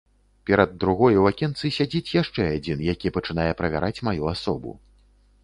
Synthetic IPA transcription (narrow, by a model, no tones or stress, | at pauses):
pʲɛɾɐd̪ːɾuɣɔjɛwakʲɛnt̪sɨsʲad͡zʲit͡sʲjaʂt͡ʂɛad͡zʲinjakʲipɐt͡ʂɨnajɛpɾɐvʲa̰ɾʔat͡sʲmajuasɔbṵ